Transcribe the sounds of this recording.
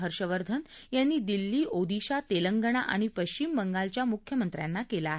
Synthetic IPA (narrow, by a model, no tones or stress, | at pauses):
ɦəɾɕəʋəɾd̪ʱənjanːiːd̪ilːiːʔod̪iɕat̪eləŋɡəɽ̃aʔa̰ɽ̃ipəɕt͡ɕimːəŋɡalt͡ɕjamukʰjəmənt̪ɾja̰nːakelaːɦe